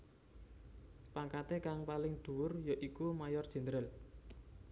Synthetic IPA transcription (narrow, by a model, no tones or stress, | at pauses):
paŋkat̪ekaŋpalɪŋd̪̥ṳwʊrjoʔikumajɔrdʒ̥ɛ̤nd̪ɾəl